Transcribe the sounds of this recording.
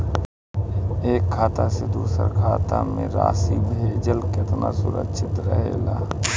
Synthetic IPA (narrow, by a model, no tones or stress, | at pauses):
eːkʰːaːt̪ased̪uːsə̰ɾkʰaːt̪amḛ̃ɾaːsibʱeːd͡ʒəlkɪt̪nasʊɾə̰kʃʰɪt̪ɾəɦḛːlaː